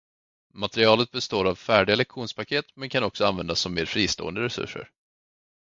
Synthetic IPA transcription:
mat̪ɛɾɪɑːlət̪̚bɛst̪oːɾavfæːɖɪɡalɛkɧuːnspʰakʰeːt̪mɛnkʰanɔksɔanvɛnd̪asːɔmːeːɾfɾiːst̪o̰ːənd̪əɾɛsɵ̰ʂːə̰ɾ

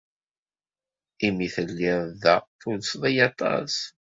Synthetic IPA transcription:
imiθəlːɪððæθʊlsðˤijɑt̪ˤɑ̰s

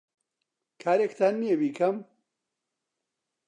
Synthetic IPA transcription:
kʰaːɾekt̪ʰaːnːijebiːkʰɐm

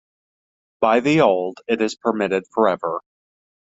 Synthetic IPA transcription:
b̥aɪðioʊlˠdɪɾɨz̥pʰə˞mɪɾɨd̥fə˞ɛvə˞

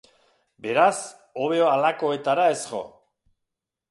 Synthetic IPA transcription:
be̞ɾas | o̞β̞e̞oalako̞e̞t̪aɾae̞sɣo̞̰

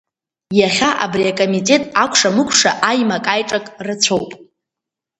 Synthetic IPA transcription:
jaχʲaʔa̰briakʼo̞mitʼe̞tʼakʷʰʂamɨkʷʰʼʂa̰ʔajmakʼajʈ͡ʂʼakʼrɨt͡sʷʰowpʼ

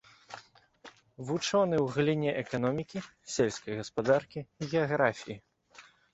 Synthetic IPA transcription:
vut͡ʂɔnɨwɣlʲinʲɛʔɛkanɔmʲikʲisʲɛlʲsʲkɐjɣɐspad̪arkʲiɣʲɛaɣɾafʲiji

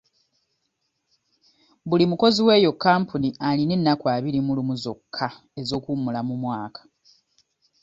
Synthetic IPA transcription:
bulimuko̞ziwe̞ːjo̞kːaːmpunialine̞nːakwaːβiɾimulumuzo̞kʰːa | e̞zo̞ːkumulamumwaːkḁ

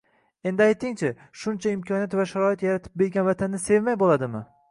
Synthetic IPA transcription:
e̞nd̪ɪajt̪ʰːɪŋt͡ʃʰɪ | ʃʊnt͡ʃʰaɪmkʲʰɒnijat̪vaʃaɾɒɪt̪jaɾat̪ʰɪ̥p̚be̞ɾɡʲanvat̪ʰanːɪse̞vmajbolˠad̪ɪmɪ

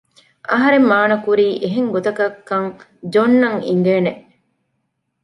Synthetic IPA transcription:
ʔɐɦɐɾemːaːnɐkuɾiːʔeɦeŋɡot̪ɐkɐkːɐŋ | d͡ʒonːɐŋiŋ̆ɡeːneʔ

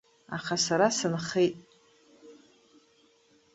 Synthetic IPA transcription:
a̰χasaɾasɨnχejtʼ

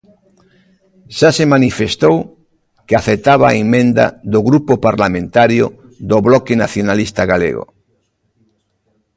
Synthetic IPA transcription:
ʃasemanifest̪ow | keaθet̪aβ̞aemẽnd̪a̰ðoɣɾupopaɾlamẽnt̪aɾjo | ðoβlɔkenaθjonalist̪aɣalḛɣo̰

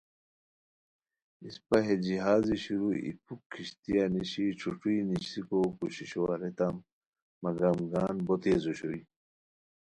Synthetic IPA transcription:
ispɐɦed͡ʑiɦaːziɕiɾuḭpʰukʰːiɕt̪ijaniɕiʈ͡ʂʰuʈ͡ʂuiniɕikokuɕiɕwaɾet̪amː | ɐɡɐmɡaːnbot̪eːzuɕoi

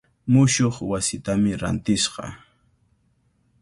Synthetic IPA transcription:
mʊʃoχwasɪt̪amɪɾa̰nt̪ɪsqɑ̰

